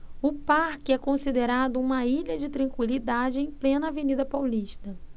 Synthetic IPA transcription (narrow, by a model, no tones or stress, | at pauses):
ʊpaɾkɪɛkõsid̪eɾad̪ʊũmɐiʎɐd͡ʒɪt̪ɾɐ̃ŋkwilid̪ad͡ʒɪẽj̃plẽnɐavenid̪ɐpawliʃt̪ɐ